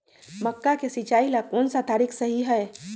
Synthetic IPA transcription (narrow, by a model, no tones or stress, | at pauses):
məkːakesit͡ʃailakoːnsad̪ʱaɾiksəɦiɦɛe